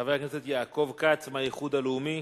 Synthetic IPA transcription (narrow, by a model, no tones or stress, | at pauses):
avejakneset̪jaːko̞vkat͡smajiχud̪aleumi